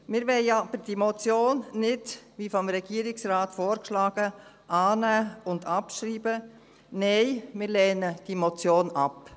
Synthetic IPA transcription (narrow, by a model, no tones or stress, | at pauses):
mɪːɾʋɛɪɑb̥əɾd̥imɔt͡sjoːnːɪdʋifɔmɾɛɡ̥iəɾɪksraːtfoːɾkʃlɑːɡ̥ə | ʔɑːnæːʊndɑpʃɾiːbə | nɛɪmɪɾlɛːnəd̥imot͡sjoːnɑp